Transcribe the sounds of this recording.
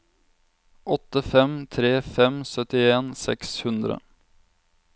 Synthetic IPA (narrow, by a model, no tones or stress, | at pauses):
ʔɔt̪ːəfɛmt̪ʰɾeːfɛmsœt̪ɪeːnsɛ̰kshʉnd̪ɾə̰